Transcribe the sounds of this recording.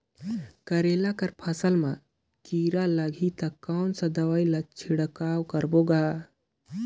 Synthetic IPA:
kəɾelakəɾpʰəsəlmã | kiːɾaləɡʱit̪ɐkːaːnsəd̪əʋailat͡ʃʰiɽəkaːwkəɾboɡa

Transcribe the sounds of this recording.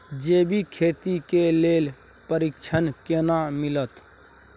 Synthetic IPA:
d͡ʒeːbʱikʰeːt̪ikeleːl | pəɾɪkt͡ʃʰənkeːnamɪlət̪

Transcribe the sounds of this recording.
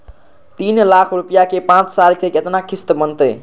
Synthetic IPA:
t̪inlakʰɾupijakepãt͡ʃsalkeket̪nakist̪bənt̪əj

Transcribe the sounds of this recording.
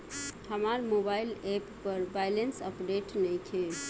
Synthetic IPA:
həmaɾmobailepːəɾbajlensəpɖeʈnɛt͡ʃʰe

